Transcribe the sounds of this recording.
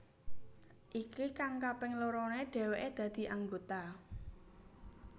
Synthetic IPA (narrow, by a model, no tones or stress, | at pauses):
ʔikikaŋkapɪŋloɾoneɖ̥ɛ̤weʔed̪̥ä̤d̪̥i̤ʔaŋɡot̪a